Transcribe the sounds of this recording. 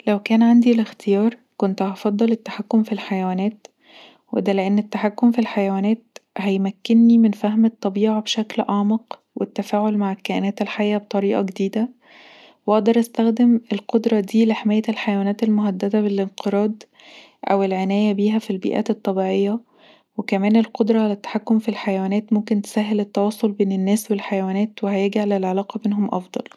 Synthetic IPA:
læwkæːnʕand̪ilext̪ejɑːɾˤ | kont̪hɑfɑd̪ˤːɑlet̪ːḁħakːomfilħajæwæːnæːt̪ | wed̪æleʔenːet̪ːaħakːomfilħajæwæːnæːt̪̚hæjmækːenːimenfæɦmet̪ˤːɑbiːʕɑbʃæklʔɑʕmɑq | wet̪ːæfæːʕolmaʕekæʔenæːt̪elħajʔæbet̪ˤɑɾiːʔɑɡed̪iːd̪æ | wʔɑʔd̪ɑɾˤʔæst̪æxd̪emelqod̪ɾˤɑd̪iːleħemæːjːæelħajæwæːnæːt̪elmoɦæd̪ːæd̪æbelʔenqʰeɾˤɑːd̪ | ʔæ̰welʕenæːjæbiːɦæfilbḭʔæ̰ːt̪et̪ˤːɑbiːʕejːæ | wekæmæːnelqod̪ɾˤɑʕalæt̪ːḁħakːomfilħajæwæːnæːt̪momkent̪e̥sæːɦːelet̪ːɑwɑːsˤolbeːnenːæːswelħajæwæːnæːt̪wehæjæɡiʕalælʕelɑːqɑbeːnɦomʔɑ̰fd̪ˤɑ̰l

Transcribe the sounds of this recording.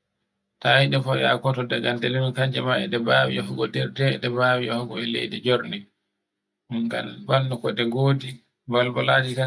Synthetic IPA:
tawiɗɛfɔja̰kɔtɔdaɡandelinɔkaɲd͡ʒɛmaɛ̰ɗɛbawḭʔɔhuɡɔdɛɾdɛɗɛbawiɔhɔɡɔɛlḛjdɛd͡ʒɔɾnɛ | uŋɡa̰nbalːukɔɗɛɡoːdi | balbɔlaːd͡ʒika

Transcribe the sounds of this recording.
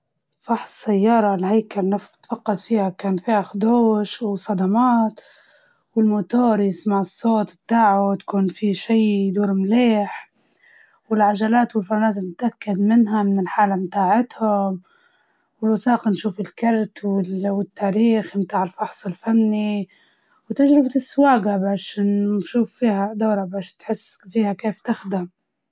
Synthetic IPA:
fɑħssajːɑːɾˤɑlhajkalnɪft̪fɑqːɑd̪fiːhakaːnt̪fiːhaxd̪oːʃwɪsˤːɑd̪ɑmaːt̪ | wɪlmʊt̪oːɾɪsmaʕɪsˤːoːt̪bt̪aːʕʊt̪ḁkuːnfiʃiːd̪uːɾmleːħ | wɪlʕaʒalaːt̪wɪlfanːaːt̪nɪt̪ʔakːad̪mɪnɦamɪnɪlħaːlamt̪aːʕɪt̪hʊm | wɪlwasɑːqɑnʃuːfɪlkɑɾˤt̪wɪlwɪt̪ːaːɾiːxmt̪aːʕɪlfɑħsˤɪlfanːi | wt̪aʒɾɪbt̪ɪsːwaːɡabaːʃnʃuːfːiːhad̪oːɾabaːʃt̪ħɪsːfiːhakeːft̪ɪxd̪ɪm

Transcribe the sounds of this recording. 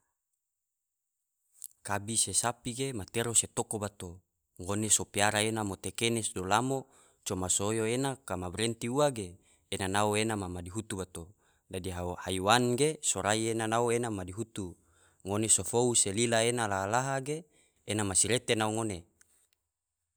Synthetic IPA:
kabisesapiɡemat̪eɾoset̪okobat̪o | ŋonesopiaɾaenamot̪ekenɛsdolamo | t͡ʃomasojoenakamabɾent̪iuaɡeː | nanaoenamamadiɦut̪ubat̪o | dadiɦahaiwanɡesoɾaienanaoenamadiɦut̪u | ŋonesofouselilaenalaalaɦaɡeː | namasiɾet̪enauŋone

